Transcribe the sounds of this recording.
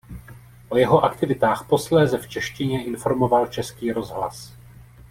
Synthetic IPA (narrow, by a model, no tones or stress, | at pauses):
ʔo̞jɛɦo̞ʔakt̪ɪvɪt̪aːxpo̞slɛːzɛft͡ʃɛʃcɪɲɛʔɪnfo̞ɾmo̞valt͡ʃɛskiːɾo̞zɦla̰s